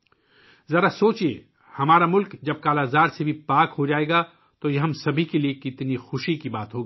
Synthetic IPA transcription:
zɐɾasoːt͡ʃiḛ | hɐmaːɾamʊlkd͡ʒɐb̚kaːlaːzaːɾsebʱipaːkɦod͡ʒaːeːɡa | t̪ojɐɦɐmsɐbʱikeliekɪt̪nixʊʃikibaːt̪ɦoːɡiː

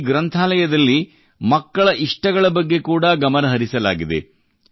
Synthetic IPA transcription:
ɡɾɐnt̪ʰaːlɐjɐd̪ɐlːi | mɐkːɐɭɐʔiʂʈɐɡɐɭɐbɐɡːe̞kuːɽɐɡɐmɐnɐɦɐɾisɐlaːɡid̪ḛ

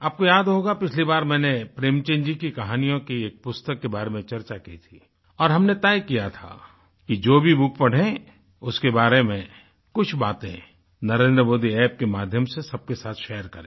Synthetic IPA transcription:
aːp̚kojaːd̪ɦoːɡapɪt͡ʃʰlibaːɾmɛ̃ːnepɾeːmt͡ʃẽːnd͡ʒikikɐɦaːnijõkieːk̚pʊst̪əkːebaːɾemẽt͡ʃɐɾt͡ʃakit̪ʰi | ɔːɾɦɐmnet̪aːjkijat̪ʰa̰ | kid͡ʒoːbʱibʊkʰpɐɽ̤ẽ | ʊskebaːɾemẽ | kʊt͡ʃʰbaːt̪ḛ̃ | nɐɾẽːnd̪ɾəmoːd̪iɛːp̚kemaːd̪ʱjəmsesɐb̚kesaːt̪ʰʃɛːjəɾkɐɾẽ

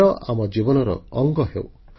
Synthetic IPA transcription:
ɔʔamɔd͡ʒibɔnɔɾɔ̰ːŋɡɔɦḛw

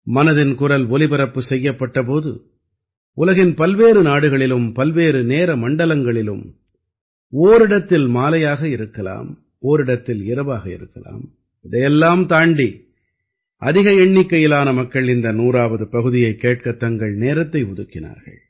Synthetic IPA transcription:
mɐnɐðɪnkʊrɐlɔlɪbɐɾɐpːɯsɛjːɐpːɐʈːɐp̬oːðɯ̰ | ʊlɐɣɪnpɐlʋeːɾɯnaːɽɯɣɐɭɪlɯmpɐlʋeːɾɯneːɾɐmɐɳɖɐlɐŋɡɐɭɪlɯ̰m | oːɾɪɽɐt̪ːɪlmaːlɐjaːɣɐɪɾɯkːɐla̰ːm | oːɾɪɽɐt̪ːɪlɪɾɯʋaːɣɐɪ̰ɾɯkːɐla̰ːm | ɪðɐjɛlːaːmt̪aːɳɖi | ʔɐðɪɣɐɛɳːɪkːɐjɪlaːnɐmɐkːɐɭɪnd̪ɐnuːraːʋɐðɯpɐɣɯðɪjɐɪkːeːʈ̚kɐt̪ɐŋɡɐɭneːɾɐt̪ːɐɪʊðɯkːɪna̰ːɾɣɐ̰ɭ

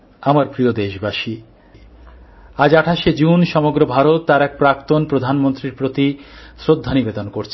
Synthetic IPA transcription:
amaɾpɾiod̪eʃbaʃi | ad͡ʑaʈʰaʃed͡ʑunʃɔmoɡɾobʱaɾot̪ːaɾɛk̚pɾakt̪onpɾod̪ʱanmont̪ɾiɾpɾot̪isɾod̪ʱːanibed̪onkoɾt͡ɕʰe

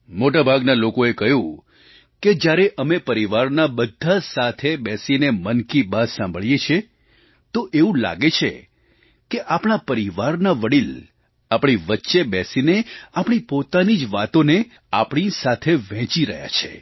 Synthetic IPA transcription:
moʈabʱaɡnalokoekəɦjũ | ked͡ʒjaɾeʔəmepəɾiʋaɾnabəd̪ʱːasat̪ʰebɛsinemənkibad̪sãmbʱəɭijet͡ʃʰe | t̪oʔeũla̰ɡet͡ʃʰe | keʔapɽ̃apəɾiʋaɾnaʋəɽil | apɳ̃iʋətːʃebɛsineapɳ̃ipot̪anid͡ʒʋat̪one | apɳ̃isat̪ʰeʋɛ̃t͡ʃiɾəɦja̰t͡ʃʰḛ

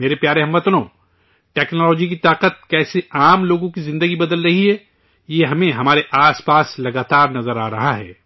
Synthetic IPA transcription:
meːɾepjaːɾeɦɐmːɐt̪nõː | ʈɛːknɔːlɔːd͡ʒik̬it̪aːqət̪̚kɛːseaːmloːɡõkizɪ̃nd̪əɡibɐd̪əlɾɐɦiɦɛː | jeɦɐmẽɦɐmaːɾeʔaːspaːslɐɡaːt̪aːɾnɐzəɾaːɾɐɦaɦɛ̰ː

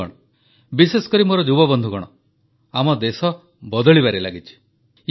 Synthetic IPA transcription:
ɔɽɔ | biseskɔɾimoɾɔd͡ʒubɔbɔnd̪ʱuɡɔɽ̃ɔ | amɔd̪esɔ | bɔd̪ɔɭibaɾelaɡit͡ʃʰi̥

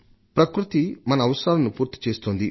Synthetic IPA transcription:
pɾɐkɾut̪imɐnɐːʋɐsaːlɐnupuːɾt̪i̥t͡ʃe̞ːst̪oːnd̪i

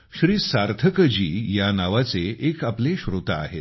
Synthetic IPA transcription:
ɕɾiːsaɾt̪ʰəkəd͡ʑiːjanaʋat͡seʔekapleɕɾot̪a̰ːɦḛt̪

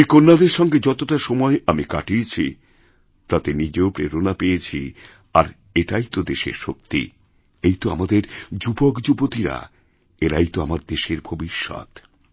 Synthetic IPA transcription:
konːad̪eɾʃɔŋɡed͡ʑɔt̪oʈaʃɔmɔeʔamikaʈiet͡ɕʰi | t̪at̪enid͡ʑeopɾḛɾonapejet͡ɕʰi | aɾ | eʈajt̪od̪eʃḛɾʃok̚t̪ḭ | ejt̪oamad̪eɾd͡ʑubokd͡ʑubot̪iɾa̰ | eɾajt̪oamaɾd̪eʃeɾbʱobiʃːɔ̰t̪

